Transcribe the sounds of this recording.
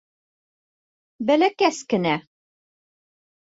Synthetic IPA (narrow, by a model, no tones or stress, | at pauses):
bælækæskɘ̆næ